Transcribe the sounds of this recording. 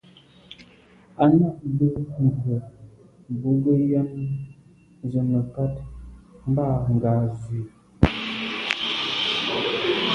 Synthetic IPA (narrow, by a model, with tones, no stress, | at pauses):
a˦na˦˨ʔbə˦nu˨hə˨ | bu˦ɡə˦ja˦n˦ | zə˨mə˨ka˦tm̩˦ba˦˨ŋ̩˨ɡaː˨zi˨